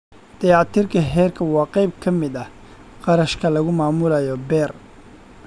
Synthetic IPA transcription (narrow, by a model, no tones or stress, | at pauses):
d̪̥ɑjɑt̪ʰiːrkʰɐɦɛːrkʰɐwɑːqɑjb̚kʰɐmɪd̪ɐ | qɑɾɐʃkʰɐlɐɣʊmaːmʊlɐjɔbɛːr